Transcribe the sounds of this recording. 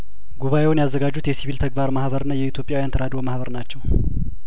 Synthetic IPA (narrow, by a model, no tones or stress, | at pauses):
ɡuβaje̞wunjazːəɡad͡ʒːut̪jɛsiβilt̪ʰəɡbaɾmahβəɾɨnːajɛit̪ʰjo̞pʼjawjant̪ʰəɾad̪omahβəɾnat͡ʃːɛw